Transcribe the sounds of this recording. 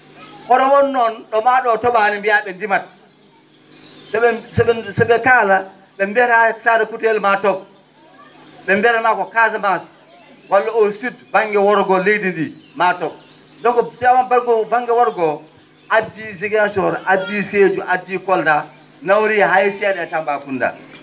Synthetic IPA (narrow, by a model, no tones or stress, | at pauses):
hɔɾɔwɔnːɔnɗɔmaɗɔtɔɓanimbijaɓɛndimat̚ | sɔɓɛsɔɛsɔɓɛkala | ɓɛmbɛtasaɾɛkutɛlmatɔb̚ | ɓɛmbɛɾamakɔkazamas | walːaositbaŋɡɛwɔɾɡɔlejdindimatɔb̚ | dɔŋkɔsɛamanbaɾɡɔbaŋɡɛwɔɾɡɔ | adːiziɡant͡ʃɔɾadːised͡ʒuʔadːikɔlda | nawɾiɦajsiaɗɛatambakunda̰